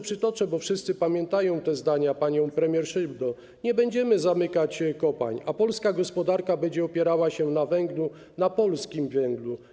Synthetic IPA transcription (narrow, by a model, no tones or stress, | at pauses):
pʂɘt̪ɔt͡ʂɛbɔfʂɘst̪sɘpamʲjɛnt̪ajɔ̃w̃t̪ɛzd̪aɲapaɲɔ̃w̃pɾɛmʲjɛɾʂɘbd̪ɔ | ɲɛbɛɲd͡ʑɛmɘzamɘkat͡ɕkɔpa̰ɲapɔlskaɡɔspɔd̪aɾkabɛɲd͡ʑɛɔpʲjɛɾawaɕɛnavɛŋɡlu | napɔlskʲimvʲɛŋɡlu